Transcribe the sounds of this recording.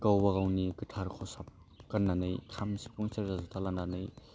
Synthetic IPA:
kawbaɣawnikɯtʰaɾkʰɔsap̚ | kɐnːanɯjkʰamsi̥pɔŋsɐɾzazutʰalananɯj

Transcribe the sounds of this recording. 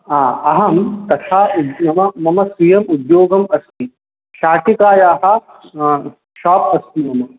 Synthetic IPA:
ɦaːɐɦɐmt̪ɐt̪ʰaːud̪mɐmɐmɐmɐsijɐmud̪joːɡɐmɐst̪i | ʃaːʈikaːjaːɦɐ̆ | ʃaːpɐst̪imɐmɐ

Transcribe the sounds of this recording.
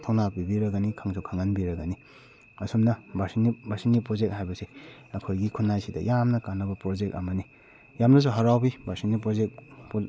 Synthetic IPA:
tʰownabibiɾɐɡanikʰaŋsʰukʰaŋanbiɾɐɡɐni | ɐsumnɐbasinibasinːipɾozek̚t̚hajbɐseɐkʰojɡikʰunːajsidɐ̰jamnɐkanːɐbɐpɾɔd͡ʒek̚t̚ɐmɐni | jamnɐs̬uɦaɾawbibasinipɾozek̚p

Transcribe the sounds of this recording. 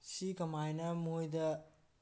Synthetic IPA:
sikɐmajnɐmuojdɐ

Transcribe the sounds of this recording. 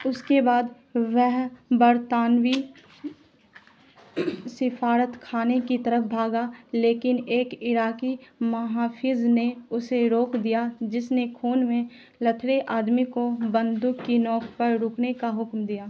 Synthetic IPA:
ʊskebaːd̪ | ʋɛɦbɐɾt̪aːnwi | sɪfaːɾət̪kʰaːnekit̪ɐɾəfbʱaːɡaːleːkɪneːkɪɾaːkimɐɦaːfʰɪzneʊseɾoːkd̪ijad͡ʒɪsnekʰoːnmẽ | lɐt̪ʰɾeʔaːd̪mikobə̃nd̪ʊkːinɔːkpəɾɾʊknekaɦʊkmd̪ijaː

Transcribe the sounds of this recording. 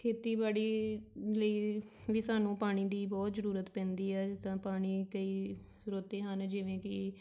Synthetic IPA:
kʰeːt̪iːbaːɽiːləiːʋiːsaːnũːpaːɽ̃iːd̪iːbɔːt̪zəɾuːɾət̪pɛ̃ːnd̪iːɛːt̪ãːpaːɽ̃iːkəiː | sɾoːt̪eːɦənd͡ʒɪʋẽːkɪ

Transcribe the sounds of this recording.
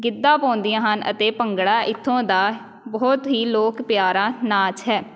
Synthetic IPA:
ɡɪd̪ːaːpɔ̃ːnd̪ijãːɦənə̰t̪eːpəŋɡɽaːʔɪt̪ʰːõːd̪aː | bɔːt̪ɦiːloːkpjaːɾaːnaːt͡ʃɦɛː

